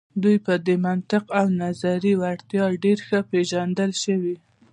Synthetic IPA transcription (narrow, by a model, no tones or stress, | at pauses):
d̪ujpəd̪əmant̪ɪqawnazaɾiwaɽt̪jɑɖeɾxəpeʒand̪əlʃəwi